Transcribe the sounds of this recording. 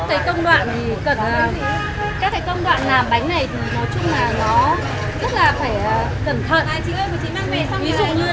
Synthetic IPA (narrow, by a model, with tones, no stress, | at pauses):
kːaː˨˦jkə˧wŋ͡mɗwa̰ː˧˨nt̪ʰi˨˩kə˨˩nʔəː˨˩ | kaː˦˥kːaː˨˦kə˧wŋ͡mɗwa̰ː˧˨nlaː˨˩mɓa˨˦jŋ̟na˨˩jt̪ʰi˨˩nɔ˨˦jt͡ɕʊ˧ŋ͡mlaː˨˩nɔ˨˦ | zə˦˥t̚laː˨˩faː˧˩jʔəː˨˩ | kə˧˩nt̪ʰə̰˧˨n˧˦˧vi˨˦zʊ̰˧˨ŋ͡mɲɨ˧